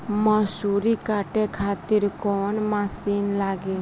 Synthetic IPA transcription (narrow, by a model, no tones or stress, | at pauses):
məsuɾikaːʈekʰaːt̪iɾkoːnmasiːnlaːɡe